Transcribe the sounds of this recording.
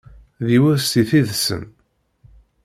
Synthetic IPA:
ðiwʊðst̪iθiðsə̰m

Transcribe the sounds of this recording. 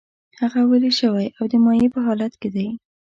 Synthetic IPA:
haɣaweleʃəwajawd̪əmɑjepəɦɑlat̪ked̪aj

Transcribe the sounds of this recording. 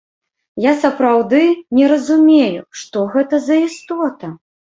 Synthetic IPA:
jasɐpɾawd̪ɨnʲɛɾɐzumʲejuʂt̪ɔɣɛt̪ɐzɐist̪ɔt̪ɐ

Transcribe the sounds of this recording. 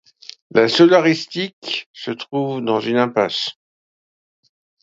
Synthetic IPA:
lasɔlaʁist̪iksət̪χuvd̪ɑ̃zynɛ̃pas

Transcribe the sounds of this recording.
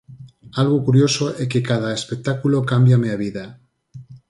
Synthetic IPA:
alɣukuɾjo̞soʔekekaðaespek̚t̪akulokambjameaβiða

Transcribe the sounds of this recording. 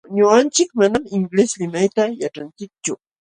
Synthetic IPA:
ɲʊant͡ʃɪkmanamɪŋɡleslɪmajt̪ajaʈ͡ʂant͡ʃɪk̚t͡ʃʊ

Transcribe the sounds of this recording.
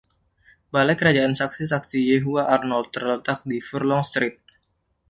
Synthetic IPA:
balajkəɾad͡ʒaʔansaksisaksijeɦuaʔarnɔlt̪ːərlət̪ak̚difərlɔŋst̪ɾit̪̚

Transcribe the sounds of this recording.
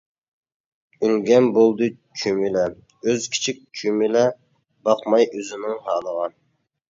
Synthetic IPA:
ylɡʲɛnbolˠd̪ɨt͡ʃʰymɪlɛ | øzkʲʰi̥t͡ʃʰik̚ʲt͡ʃʰymɪlɛ | bɑqmɑjʔøzɪnɪŋhɑːlˠəʁɑn

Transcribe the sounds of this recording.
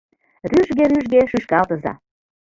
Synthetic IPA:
ryʒɣeɾyʒɣeʃyʃkɑlt̪əzɑ̰

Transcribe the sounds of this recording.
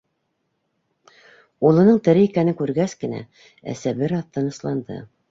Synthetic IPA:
ulˠɤ̆nɤɴt̪ɘ̆ɾɘikænɘŋkʉɾɡæskɘ̆næ̰ | æ̰sæbɘɾɑθːɤnɤ̆slˠɑnd̪ɤ̰

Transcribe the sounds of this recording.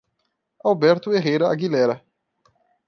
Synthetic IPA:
awbɛɾt̪ʊeɦejɾɐa̰ɡilɛɾɐ

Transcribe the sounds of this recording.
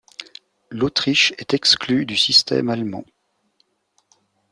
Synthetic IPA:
lot̪χiʃɛt̪ɛksklyd̪ysist̪ɛ̰malmɑ̰̃

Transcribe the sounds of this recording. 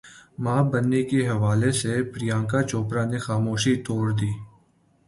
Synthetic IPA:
maːbɐnːekeɦɐʋaːlesepɾɪjãːkat͡ʃoːpɾãnexaːmoːʃit̪oːɾd̪iː

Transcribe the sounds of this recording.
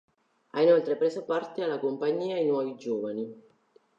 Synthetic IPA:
a̰inolt̪ɾepɾeːsopart̪ealːakompaɲːiːajnwɔːvid͡ʒoːvani

